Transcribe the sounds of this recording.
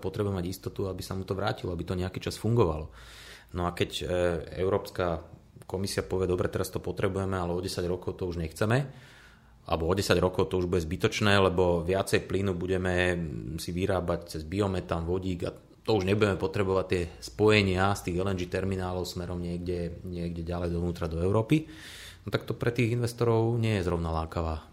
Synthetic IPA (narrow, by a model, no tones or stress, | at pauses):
pɔt̪ɾɛbuɛmaɟist̪ɔt̪uabisamut̪ɔʋɾaːcilɔabit̪ɔɲɛakiːt͡ʃasfuŋɡɔʋa̰lɔ | nɔakɛcɛ̰ʊɾɔːpska | kɔmisiapɔʋɪɛd̪ɔbɾɛt̪ɛɾast̪ɔpɔt̪ɾɛbujɛmɛalɛɔɟɛsaɟɾɔkɔʊt̪ɔuʒɲɛxt͡sɛmɛ | ʔa̰lbɔɔɟɛsaɟɾɔkɔʊt̪ɔuʒbuɟɛzbit̪ɔt͡ʃnɛːlɛbɔʋɪat͡sɛjplinubuɟɛmɛsiʋiɾaːbact͡sɛzbiɔmɛt̪amʋɔɟiːɡa̰ | t̪ɔuʒɲɛbuɟɛmɛpɔt̪ɾɛbɔʋact̪ːɪɛspɔjɛɲɪast̪iːɣɛlɛnd͡ʒit̪ɛɾminaːlɔʊsmɛɾɔmɲɪɛɡɟɛɲɪɛɡɟɛɟalɛjd̪ɔʋnuːt̪ɾad̪ɔɛʊɾɔːpi | nɔt̪ak̚t̪ɔpɾɛt̪iːɣinʋɛst̪ɔɾɔʊɲɪɛjɛzɾɔʊnalaːkaʋaː